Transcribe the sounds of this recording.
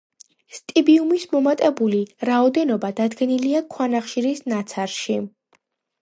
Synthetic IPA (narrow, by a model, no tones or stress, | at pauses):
st̪ʼibiumismɔmat̪ʼɛbuliɾaɔd̪ɛnɔbad̪ad̪ɡɛniliakʰwanaχʃiɾisnat̪sʰaɾʃi